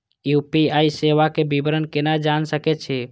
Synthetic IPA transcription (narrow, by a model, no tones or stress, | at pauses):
jupiaiseʋakebibɾənkenad͡ʒansəkɛt͡ʃʰɛ